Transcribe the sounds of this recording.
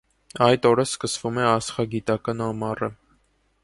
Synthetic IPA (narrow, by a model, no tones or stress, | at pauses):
ɑjt̪ɔɾəskəsvumɛɑsχɑɡit̪ɑkɑnɑmɑrə